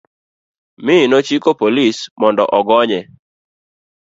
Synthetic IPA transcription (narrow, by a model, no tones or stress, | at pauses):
mɪnot͡ʃikopolismɔndɔ̰ʔɔɡɔɲɛ